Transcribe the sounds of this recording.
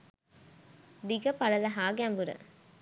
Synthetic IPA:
d̪iɡɐpɐlɐlɐɦaːɡambuɾɐ̰

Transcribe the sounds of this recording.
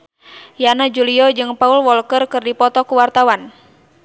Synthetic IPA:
janad͡ʒuliɔd͡ʒɨŋpaulwɔlkərkɨrdipɔt̪ɔkuwart̪awan

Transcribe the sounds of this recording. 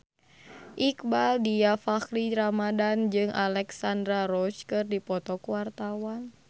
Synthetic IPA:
ʔikbaldijafakliɾamadand͡ʒɨŋʔalɛksandɾaɾɔt͡ʃkɨrdipɔt̪ɔkuwart̪awan

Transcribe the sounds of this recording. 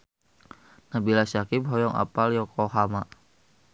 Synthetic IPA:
nabilasakip̚ɦɔjɔŋa̰paljɔkɔɦama

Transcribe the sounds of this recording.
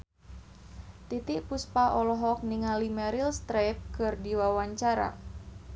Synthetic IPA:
t̪it̪iʔpuspaʔɔlɔɦɔk̚niŋalimɛɾilst̪ɾɛp̚kɨrdiwawaɲt͡ʃaɾa̰

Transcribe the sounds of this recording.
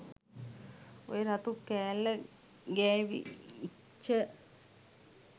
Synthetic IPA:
o̰jeɾat̪ukːæːlːə | ɡæːʋḭi | t͡ʃːə

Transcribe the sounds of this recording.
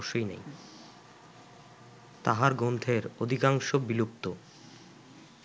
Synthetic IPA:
ʃːojnḛj | t̪aɦaɾɡond̪ʱʰeɾod̪ʱikaŋʃobilup̚t̪o

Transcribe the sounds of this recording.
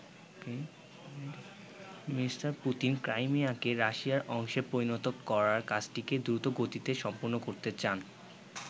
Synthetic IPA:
misʈaɾput̪inkɾajmiakeɾaʃiaɾɔŋʃepɾoɾinot̪okːɔɾaɾkad͡ʑʈiked̪ɾut̪oɡot̪it̪eʃɔmpoɾnokoɾt̪et͡ɕan

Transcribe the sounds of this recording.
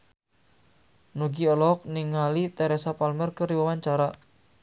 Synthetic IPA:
nuɡiɔlɔk̚niŋalit̪ɛɾɛsapalmərkəɾiwawaɲt͡ʃaɾa

